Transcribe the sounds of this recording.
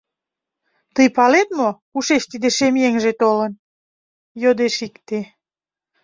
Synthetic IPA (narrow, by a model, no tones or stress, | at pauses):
t̪əjpɑlet̪̚mo | uʃeʃt̪id̪eʃemjeŋʒet̪olən | jod̪eʃikt̪e